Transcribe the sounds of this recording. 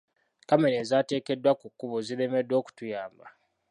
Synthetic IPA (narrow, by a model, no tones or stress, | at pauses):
kameɾeːzate̞ːke̞dːwakukːuβoziɾe̞me̞dwo̞ːku̥tujaːmba